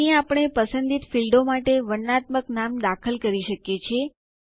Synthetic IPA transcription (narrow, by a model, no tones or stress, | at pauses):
ãapəɳ̃epəsənd̪it̪filɖomaʈeʋəɽnat̪məknamd̪akʰəlkəɾiʃəkjet͡ʃʰie